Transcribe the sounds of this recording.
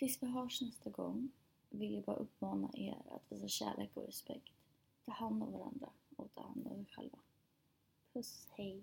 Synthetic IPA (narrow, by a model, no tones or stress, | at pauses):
vɪsvaɦœːʂnɛst̪aɡɔŋː | vɪljabɑːɾaʔɵpːmɑːnaʔeːɾa̰t̪veːsaɕæ̰ːlʔeːkɔ̰ɾɛspɛkt̪ | t̪ʰɑːhand̪avaɾa̰nd̪ɾaoːt̪ʰaːhand̪ɔ̰ɛɧɛ̰lva | pʰɵshɛj